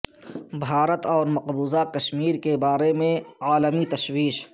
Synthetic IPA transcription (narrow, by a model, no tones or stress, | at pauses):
bʱaːɾət̪ɔːɾmɐqbuːzakɐʃmiːɾkebaːɾemẽaːləmit̪ɐʃwiːʃ